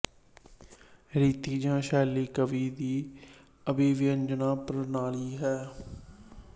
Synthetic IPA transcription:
ɾiːt̪iːd͡ʒãːʃɛːliːkəʋiːd̪iː | əbiːʋɪjə̃nd͡ʒənaːpɾənaːliːɦɛː

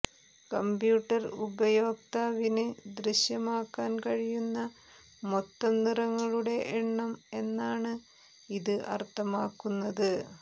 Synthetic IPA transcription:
kɐmbjuːʈːɐrubɐjo̞ːk̚t̪aːʋinɨd̪riɕjɐmaːkːaːnkɐɻijunːɐ | mot̪ːɐmnirɐŋːɐɭuɽe̞ʔeɳːɐme̞nːaːɳɨ | iðɨʔɐ̰rt̪ːɐmaːkːunːɐðɨ

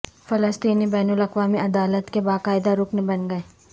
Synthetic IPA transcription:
fɐləst̪iːnibɛːnʊlɐqʋaːmiʔɐd̪aːlət̪kebaːqaːɪd̪aɾʊknebɐnɡɐeː

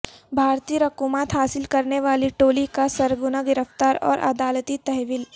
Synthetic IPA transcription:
bʱaːɾt̪ijəɾɐkuːmaːt̪ɦaːsɪlkɐɾneʋaːliʈoːlikasɐɾɡʊnaɡɪɾəft̪aːɾɔ̰ːɾʔɐ̰d̪aːlt̪it̪ɐɦʋɪl

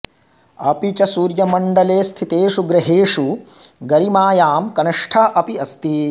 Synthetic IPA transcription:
ɐpit͡ʃɐsuːɾjɐmɐɳɖɐleːst̪ʰit̪eːʂuɡɾɐɦeːʂuɡɐɾimaːjaːmkɐnɐʂʈʰɐʔɐpiɐst̪i

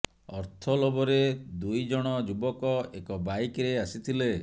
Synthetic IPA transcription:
ɔɾt̪ʰɔlɔbɔɾed̪ujd͡ʒɔɽ̃ɔd͡ʒubɔkɔekɔbajkɾeasit̪ʰile

